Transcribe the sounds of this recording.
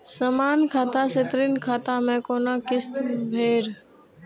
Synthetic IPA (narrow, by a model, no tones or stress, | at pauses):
səmaːnkʰaːt̪aset̪ɾinkʰaːt̪amẽkoːnakɪst̪bʱeːɾ